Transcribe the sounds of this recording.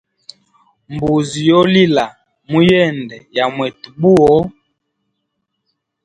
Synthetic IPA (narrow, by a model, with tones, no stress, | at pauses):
m˨bu˨zi˨jɔ˦li˦la˨ | mu˦jɛ˦˨ndɛ˨ja˨mwɛ˨tu˨bu˦ɔ˦